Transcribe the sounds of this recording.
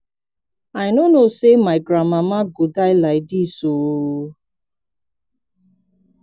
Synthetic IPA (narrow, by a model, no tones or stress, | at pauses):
aɪnonosemaɪɡɾamamaɡodaɪlaɪdiso